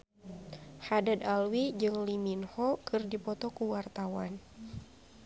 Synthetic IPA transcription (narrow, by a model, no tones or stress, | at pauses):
hadad̪alwid͡ʒɨŋliminhɔkɨrdipɔt̪ɔkuwart̪awan